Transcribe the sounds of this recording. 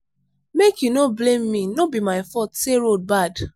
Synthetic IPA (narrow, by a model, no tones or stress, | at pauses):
mekjunoblẽmːinobimaɪfɔtseɾod̚bad